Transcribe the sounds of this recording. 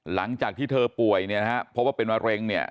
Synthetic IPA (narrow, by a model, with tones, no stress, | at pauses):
la˩˦ŋt͡ɕaː˨˩k̚t̪ʰiː˥˩t̪ʰɤː˧pu˨˩əjni˥˩ɐn˦ha˦˥pʰɔ˦˥p̚waː˥˩pe˧nwaː˧ɾe˧ŋni˥˩ɐə